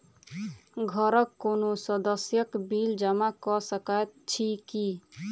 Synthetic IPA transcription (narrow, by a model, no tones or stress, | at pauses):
ɡʱəɾəkːonosəd̪əsjəkbild͡ʒamakɔsəkat̪t͡ʃʰiki